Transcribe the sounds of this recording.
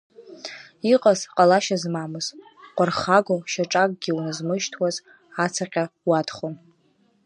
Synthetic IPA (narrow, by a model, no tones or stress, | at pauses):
iqʼazqʼalaʃazmamɨz | qʷarχaɡoʃaʈ͡ʂʼakʼɡʲiwnɨzmɨʃtʰwaz | at͡sʰaqʲʼawatχom